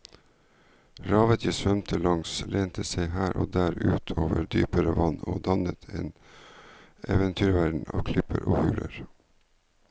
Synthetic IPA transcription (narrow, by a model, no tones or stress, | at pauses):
ɾɑːʋət̪ʰjiːsʋœmt̪ʰəlɑŋsleːnt̪ʰəseɪhæːɾʔoːd̪æːɾʉːt̪ʰoːʋəɾd̪yːpəɾəʋɑnoːd̪ɑnət̪ʰeːn | ɛʋənt̪ʰyːɾʋæːɖɳ̩ɑ̰ːʋkʰlɪpəɾʔoːhʉːlʔəɾ